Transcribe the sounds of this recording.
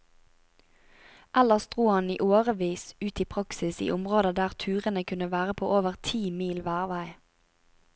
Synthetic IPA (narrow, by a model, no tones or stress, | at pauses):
ʔæləʁsd̪ʁuːhɑnḭːʔoːʁəʋiːsʉːt̪ʰiːpʰʁɑksɪsḭːʔʊmʁoːd̪əd̪æːʁt̪ʰʉːʁənəkʰʉnəʋæːʁəpʰo̰ːʔoːʋəʁt̪ʰiːmiːlʋæːʁʋæɪ